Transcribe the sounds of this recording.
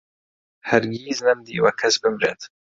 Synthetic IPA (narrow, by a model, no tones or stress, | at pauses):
hɐɾɡiːznɛmd̪iːwɐkʰɐsbɨmɾeːt̪